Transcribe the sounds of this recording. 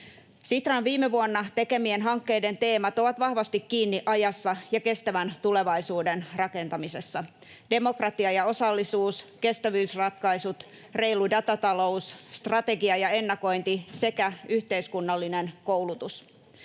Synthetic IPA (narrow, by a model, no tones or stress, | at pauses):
sit̪rɑnʋiːmeʋuonːɑt̪e̞ke̞mienɦɑŋkːejde̞nt̪e̞ːmæt̪o̞ʋɑt̪ʋɑhʋɑst̪ikkiːnːiʔɑjɑsːɑjɑke̞st̪æʋænt̪ule̞ʋɑjsuːdenrɑke̞nt̪ɑmise̞sːɑ | d̥e̞mo̞krɑt̪iɑjɑo̞sɑlːisuːske̞st̪æʋyːsrɑt̪kɑisut̪ | re̞jludɑt̪ɑt̪ɑlo̞usːt̪rɑt̪e̞ɡiɑjɑe̞nːɑko̞jnt̪ise̞kæyçt̪e̞iskunːɑlːinenko̞wlut̪us